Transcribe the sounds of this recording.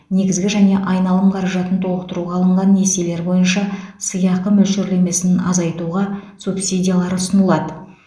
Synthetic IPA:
ne̞ɡʲɪzɡʲɪʒæne̞ʔɑjnɑlˠəmqʰɑɾɑʒɑt̪ənt̪ʰo̞lˠəqt̪əɾuʁɑlˠəɴʁɑnːe̞se̞le̞ɾbo̞jənʃɑsəjɑqq̪əmɵlʃeɾle̞me̞sɪnɪnɑzɑjt̪uʁɑsupsidʲijalˠɑɾʊsənəlˠɑd̪ə

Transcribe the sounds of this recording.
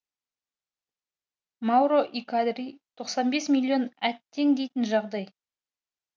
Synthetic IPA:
mɑwɾo̞ʔikad̪rit̪ʰo̞qsɑnbe̞smʲilʲːˠio̞næt̪ːe̞ŋd̪e̞jt̪ɪnʒɑʁd̪ɑj

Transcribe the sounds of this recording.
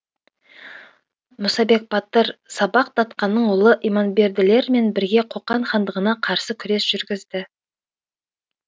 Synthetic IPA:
mʊsɑbe̞k̚bɑt̪ːəɾsɑbɑq̚t̪ʰɑt̪qɑnːəɴwʊlˠəʔijmɑnbe̞ɾd̪ɪle̞ɾme̞nbɪɾɡʲe̞qʰoqːɑɴχɑnd̪əʁənɑqʰɑɾsəkʲʰʏɾe̞sʒ̥ʏɾɡʲɪzd̪ɪ

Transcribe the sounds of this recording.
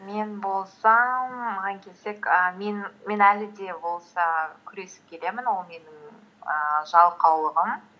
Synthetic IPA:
me̞nbo̞lˠsɑmːəʁɑŋkʲʰe̞se̞kəme̞nme̞nælɪd̪e̞bo̞lˠsɑkʲʰʏɾe̞sɪ̥p̚kʲʰe̞le̞mɪnwo̞lˠme̞nɪŋ | ə̰ʒɑlˠqɑwlˠəʁəm

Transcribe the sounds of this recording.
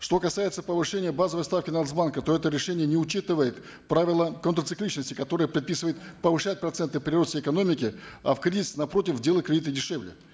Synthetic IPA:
ʂt̪o̞kɐsajɪt̪səpəvɨʂɛnʲɪjəbazəvəjst̪afkʲɪnasbankət̪o̞ɛt̪əɾʲɪʂɛnʲɪjənʲɪʊt͡ɕːit̪ɨvəjɪt̪ | pɾavʲɪlˠəkənt̪ɾət̪sɨklʲit͡ɕnəsʲtʲɪkɐt̪o̞ɾɨjəpɾʲɪt̪̚pʲisɨvəjɪt̪pəvɨʂat̚ʲpɾɐt̪sɛnt̪ɨpɾʲɪɾo̞səjɪkɐno̞mʲɪkʲɪɐ̰fkɾʲizʲɪsnɐpɾo̞tʲɪfdʲe̞lˠəkɾʲɪdʲit̪ədʲɪʂɛvlʲɪ̰

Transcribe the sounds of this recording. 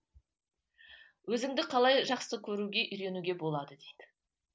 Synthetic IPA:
wɵzɪŋd̪ɪqʰɑlˠɑjʒɑqsəkʲʰɵɾuɡʲe̞ʔʏjɾe̞nuɡʲe̞bo̞lˠɑd̪əd̪ejd̪̥ɪ

